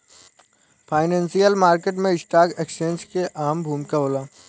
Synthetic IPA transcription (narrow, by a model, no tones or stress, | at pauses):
pʰaːɪnẽːnsijəlmaːɾkeʈ̬mẽɪsʈaːkeːksẽnskeʔaːmbʱuːmkaoːlaː